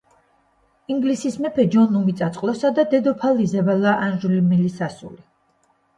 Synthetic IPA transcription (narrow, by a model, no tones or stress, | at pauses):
iŋɡlisismɛpʰɛd͡ʒɔnumit̪sʼat̪sʼqʼlˠɔsad̪ad̪ɛd̪ɔpʰalizɛbalaʔanʒulmilisasṵli